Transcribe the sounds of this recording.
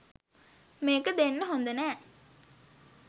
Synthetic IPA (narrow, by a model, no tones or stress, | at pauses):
meːkəd̪enːəɦond̪ənɛː